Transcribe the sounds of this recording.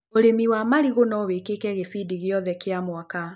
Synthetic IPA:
oɾemiwamaɾiɣonɔwekekɛɣefidiɣjɔðɛkeamwaka

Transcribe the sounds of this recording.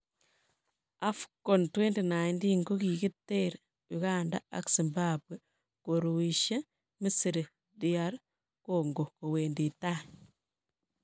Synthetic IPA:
afi̥kontwentenaindiŋɡoɣiɣitːeɾe | juɣanda̰a̰ksimbabwe | koɾuwiʃe | misiɾi | diaɾ | koŋɡokoweːndita

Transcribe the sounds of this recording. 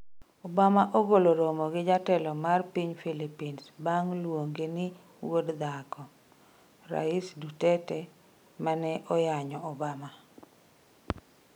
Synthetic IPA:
obamaʔoɡoloɾomɔɡɪd͡ʒatɛlɔmarpiɲfilipinsbaŋlwoŋɡenɪ | wodd̪akɔ | ɾa̰isdutɛtɛ | manɛʔɔjaɲɔɔbama

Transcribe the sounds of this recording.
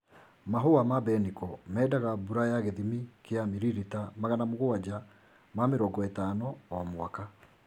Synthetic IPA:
maɦoamabɛnikɔmɛːdaɣabuɾajaɣeðimikeamiɾiɾitamaɣanamoɣoad͡ʑa | mameɾɔŋɡɔetaːnɔːmwaka

